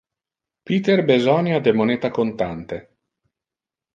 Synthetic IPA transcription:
piːt̪erbezɔnjad̪emoneːt̪akont̪ant̪e

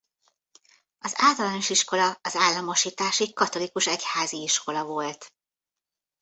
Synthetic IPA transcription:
ɒzaːlt̪ɒlaːno̞ʃiʃko̞lɒɒzaːlːɒmo̞ʃiːt̪aːʃikɒt̪o̞likuʃɛchaːziiʃko̞lɒvo̞lt̪

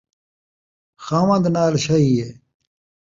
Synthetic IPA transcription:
xaːʋɐ̃nd̪naːlɕaɦieː

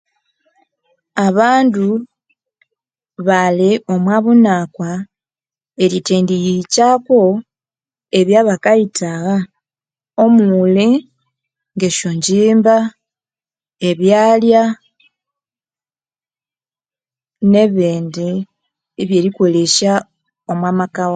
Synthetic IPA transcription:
aβaːndu | βaleo̞mwaβunakwa | e̞ɾiteːndijicako̞ | e̞βjaβakaitʰaɣa | o̞muule | ŋɡe̞ʃoɲɟiːmba | e̞βjaːlja | ne̞βeːnde | βje̞liko̞le̞ʃa | o̞mwaːmakawo

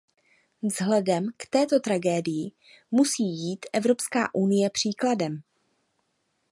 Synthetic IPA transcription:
vzɦlɛdɛmkt̪ɛːt̪o̞t̪ɾaɡɛːdɪjɪ | musiːjiːt̪ʔɛvɾo̞pska̰ːʔunɪjɛpr̝̥iːkladɛm

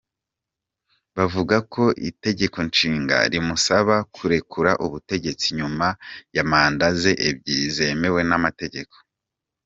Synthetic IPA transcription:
βavuɡako̞ʔḭte̞ɟe̞ko̞nt͡ʃiːŋɡa̰ɾimusaβakʰuɾe̞kʰuɾaʔuβute̞ɟe̞t͡siɲumajamaːndaze̞ʔebɟizeme̞we̞namate̞ɟe̞kʰo̥

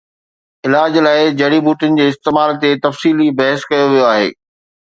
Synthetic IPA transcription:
ɪlaːd͡ʑlaːɪd͡ʑɐɽibuːʈɪnɪ̆d͡ʑeːɪst̪eːmaːlt̪et̪ɐfsiːlibɐɦəskɐjoʋijoaːɦḛː

